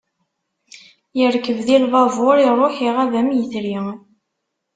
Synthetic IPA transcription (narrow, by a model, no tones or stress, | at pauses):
jəɾkːəvðilvɑvoɾiɾˤoħiʁævæmjəθɾi